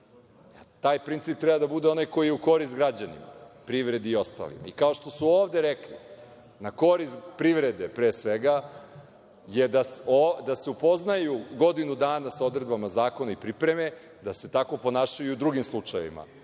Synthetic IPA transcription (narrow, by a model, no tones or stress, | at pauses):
at̪aːjpɾint̪siːp̚t̪ɾɛbad̪abud̪e̞o̞najko̞jijeuko̞ɾist̪ɡɾad͡ʑanḭma̰pɾiʋɾe̞d̪iːo̞st̪a̰lḭma̰ikao̞ʃt̪o̞suoːʋd̪e̞ɾekli | nako̞ɾist̪pɾiʋɾe̞d̪e̞pɾeːsʋeɡa | je̞d̪asod̪aseupo̞znajuɡo̞d̪inud̪aːnasao̞d̪ɾe̞d̪bamazaːko̞naipɾipɾe̞me̞ | d̪ase̞t̪ako̞po̞naːʃajuud̪ɾuɡimslˠut͡ʂaj̰ʋḭma̰